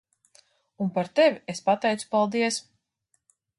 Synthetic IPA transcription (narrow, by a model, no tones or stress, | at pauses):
unpaɾt̪evʲiespat̪ɛjt̪su̥palˠd̪iɛs